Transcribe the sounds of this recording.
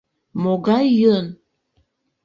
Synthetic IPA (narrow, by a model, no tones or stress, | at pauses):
moɡɑjːən